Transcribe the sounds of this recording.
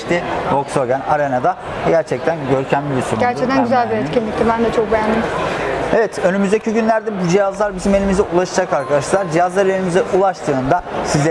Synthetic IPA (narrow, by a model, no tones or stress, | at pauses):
t̪ivoksoɡænaɾenad̪a | ɟæɾt͡ʃʰɛc̚t̪ʰænɟø̞ɾcʰænlʲibisonæɾt͡ʃʰɛkt̪ʰænɡyzælʲbiɛt̪cʲinlʲict̪ibænd̪at͡ʃʰok̚bejænd̪imevɛt̪ʰø̞nymyzd̪e̞cʰiɟynlʲæɾd̪ɛbud͡ʒijazlˠaɾbizime̞lʲimizɛʔulˠaʃɯd͡ʒakaɾkʰad̪aʃlˠaɾd͡ʒijazlˠaɾʲeɾʲimizɛʔulˠaʃt̪ʰɯːnd̪asizɛ